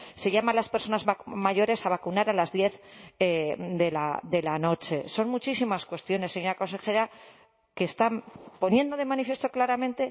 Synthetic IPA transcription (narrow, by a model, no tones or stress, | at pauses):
se̞ʝamalaspeɾso̞nazamaʝo̞ɾe̞saβ̞akunaɾalazðje̞θed̪e̞la̰d̪e̞lano̞t͡ʃe̞so̞nmut͡ʃisimaskwe̞st̪jo̞nesːeɲoɾako̞nse̞xe̞ɾa | kest̪ampo̞njẽ̞nd̪o̞ðe̞manifje̞st̪o̞klaɾamẽ̞nt̪e̞